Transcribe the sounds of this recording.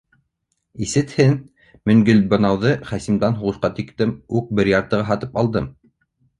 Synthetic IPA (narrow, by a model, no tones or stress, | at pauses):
isɘ̆t̪hɘn | mɵ̆ŋɡɵlbɤ̆nɑwðɤχæsimd̪ɑnɦuʁɤ̆sqɑt̪ikt̪ɘmuk̚bɘɾjɑɾt̪ɤ̆ʁɤɦɑt̪ɤpɑlˠd̪ɤm